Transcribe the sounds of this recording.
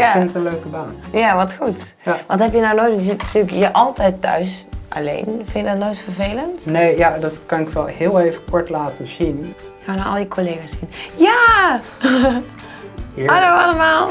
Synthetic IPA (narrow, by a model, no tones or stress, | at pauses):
jaɪnətənløːkəbaːnjaʋɔtxut | ʋɔ̃nthɛpjənawnojtjəzɪtnatyləkjəʔɔlˠtɛjtːœ̰ɥsʔa̰lḛːnfɪnjədɔtnojtfərveːləntneːjadɔtkɑnɪkʋɛlˠhɪːlˠeːvəkʰɔɹtlaːtəzin | hanaɔ̰lˠjəkʰoleːɣasinja | ianowaləmaːlˠ